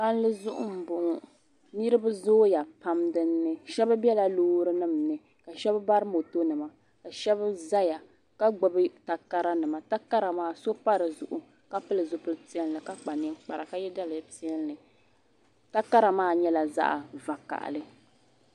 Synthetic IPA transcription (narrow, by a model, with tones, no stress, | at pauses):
ba˦n˦lɨ˦zʊ˦ʔʊ̰˦m̩˨bʊ˨ŋ˨ | nɨ˦ɾɨ˦bɨ˦zoː˦ja˨pa˦mdɨ˦nːɨ˦ʃɛ˦ba˦bʲɛ˦la˦loː˦ɾɨ˦nɨ˦˨m˨nɨ˨ | ka˨ʃɛ˦bba˦ɾɨ˦mo˨to˦nɨ˨ma˨ | ka˨ʃɛ˦ba˦za˦ja˨ | ka˦ɡ͡bʊ˦bɨ˦ta˦ka˦ɾa˦nɨ˨ma˨ta˦ka˦ɾa˨maː˦˨so˦pa˦ɾɨ˨zʊ̰˨ʔʊ˨ | ka˦pɨ˦lɨ˨zo˨pɨ˦lɨ˦ti˦ɛ˦n˦lɨ˨ka˦k͡pa˨nɨ˦ŋk͡pa˨ɾa̰˨ka˦jɛ˦da˦lɨ˨ti˦ɛ˦nlɨ˨ | ta˦ka˦ɾa˨maː˦˨ɲɛ˦la˨za̰˦ʔa˨va˨ka̰˨ʔlɨ˦